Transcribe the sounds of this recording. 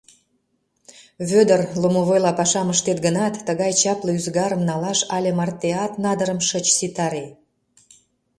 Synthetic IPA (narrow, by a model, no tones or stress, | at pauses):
βød̪ərlomoβojlɑpɑʃɑməʃt̪et̪ɡənɑt̪ːəɣɑjt͡ɕɑpləyzɡɑɾə̆mnɑlɑʃɑlʲemɑrt̪eɑt̪nɑd̪əɾəmʃət͡ɕsit̪ɑɾe